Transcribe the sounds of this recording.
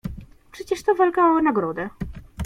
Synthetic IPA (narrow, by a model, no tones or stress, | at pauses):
pʂɛt͡ɕɛʂt̪ɔvalkaɔnaɡɾɔd̪ɛ